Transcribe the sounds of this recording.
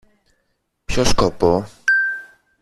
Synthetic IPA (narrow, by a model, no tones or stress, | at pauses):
pɕɔʂkɔpɔ